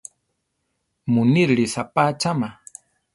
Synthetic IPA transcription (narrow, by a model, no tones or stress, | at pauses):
mʊnɪɾɾisapaːt͡ʃama